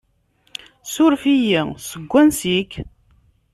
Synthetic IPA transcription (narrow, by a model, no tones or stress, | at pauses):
sʊɾfijisəɡʷːænsik